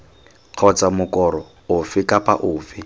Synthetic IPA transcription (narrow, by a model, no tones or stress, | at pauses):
q͡χʰɔt͡samʊkɔɾɔ | ʊfɪkapa̰ʔʊːfɪ